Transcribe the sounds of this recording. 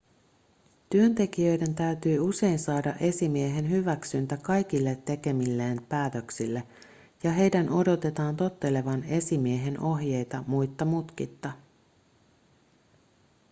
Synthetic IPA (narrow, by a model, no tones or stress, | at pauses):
t̪yø̞nt̪e̞k̟ijøjde̞nt̪æyt̪yːuse̞jnsɑːdɑʔe̞simieɦe̞nɦyʋæksynt̪ækɑjk̟ilːe̞t̪ːe̞k̟e̞milːeːnpæːt̪ø̞ksilːe | jɑɦe̞jdænʔo̞do̞t̪e̞t̪ɑːnt̪o̞t̪ːe̞le̞ʋɑne̞simie̞ɦe̞nʔo̞ɦjejt̪ɑmujt̪ːɑmut̪k̟it̪ːɑ